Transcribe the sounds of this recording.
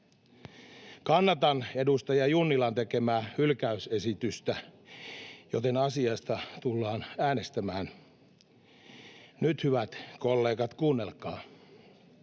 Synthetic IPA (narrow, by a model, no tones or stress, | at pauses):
kɑnːɑt̪ɑnedust̪ɑjɑjunːilɑnt̪ekemæːhylkæysesit̪yst̪æ | jot̪enɑsiɑst̪ɑt̪ulːɑːnæːnest̪æmæːn | nyt̪hyʋæt̪kolːeːkɑt̪kuːnːelkɑː